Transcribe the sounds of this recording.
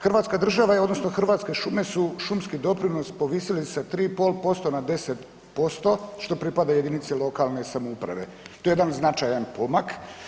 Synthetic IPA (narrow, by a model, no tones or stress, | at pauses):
xrʋaːt̪skad̪r̩ʒaʋaod̪no̞sno̞xr̩ʋaːt̪ske̞ʃume̞suʃumskid̪o̞pɾino̞spo̞ʋiːsilisat̪ɾiːpo̞ːlpo̞st̪o̞nad̪e̞set̪ | po̞st̪o̞ʃt̪o̞pɾipad̪aje̞d̪init̪selo̞kalˠne̞samoupɾa̰ʋe̞̰ | t̪o̞jejed̪anznat͡ʃajanpomak